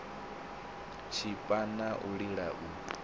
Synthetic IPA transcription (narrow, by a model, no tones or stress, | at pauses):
t͡ʃʰipʼanaʔuɺiɺaʔu